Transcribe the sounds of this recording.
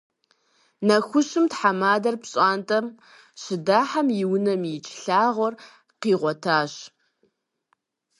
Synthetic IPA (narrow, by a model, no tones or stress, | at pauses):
nɐxʷʊɕɨmtħamaːdɐrpɕʼaːntʼɐm | ɕɪdaːħamjɪwʊnɐmjɪt͡ʃʼʰɬaːʁʷɔr | qiːʁʷɔtʰaːɕ